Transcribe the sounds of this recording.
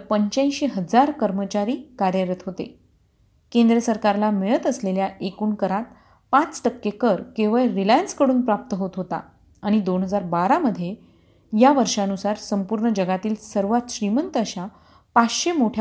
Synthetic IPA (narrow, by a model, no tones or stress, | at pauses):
pəɲt͡ɕãj̃ɕeɦəd͡zaɾkəɾmət͡ɕaɾiːkaɾjəɾət̪ɦot̪ḛ | kẽnd̪ɾesəɾkaɾlameɭət̪əsleljaʔekuːnkəɾat̪̚ | pat͡st̪əkːjekəɾkeʋəɭɾilajənskəɽuːnpɾap̚t̪əɦot̪ɦot̪a̰ː | ɽ̃id̪onɦəd͡zaɾbaɾaməd̪ʱːje | jaʋəɾʂaənusaɾsəmpuɾɳəd͡ʑəɡat̪iːlsəɾʋat̪ɕɾimənt̪əəɕa | pat͡sɕemoʈʰj